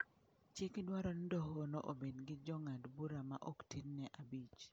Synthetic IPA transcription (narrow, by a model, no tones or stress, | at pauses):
t͡ʃjekɪdwaɾɔndɔhɔnɔ̰ʔobenɡɪd͡ʒɔŋadbuɾama̰ʔɔktinːɛʔabit͡ʃ